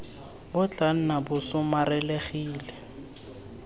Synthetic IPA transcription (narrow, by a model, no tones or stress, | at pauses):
bʊt͡ɬʼan̩nabʊsʊmarɛleχiːlɛ